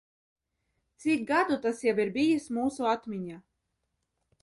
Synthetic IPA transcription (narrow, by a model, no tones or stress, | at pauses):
t̪sik̚ɡad̪ut̪asjawiɾbʲijismuːsuat̪mʲiɲa